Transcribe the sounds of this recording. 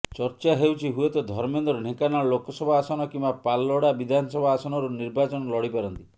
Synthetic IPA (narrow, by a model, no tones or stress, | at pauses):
t͡ʃɔɾt͡ʃaɦewt͡ʃʰiɦuet̪ɔd̪ʱɔɾmend̪ɔɾuɳ̤ekanalokɔsɔbʱaːsɔnɔkimbapalːɔɽabid̪ʱanɔsɔbʱaːsɔnɔɾuniɾbat͡ʃɔnɔlɔɽipaɾɔnt̪i